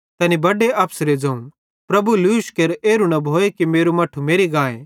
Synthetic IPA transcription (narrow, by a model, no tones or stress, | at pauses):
t̪ɛːnibɐɖeʔɐpsɾed͡zɐũ | pɾɐbuluːʃkeɾeːɾunɐbʱoːekimeːɾumɐʈʰumeːɾiɡãːḛ̃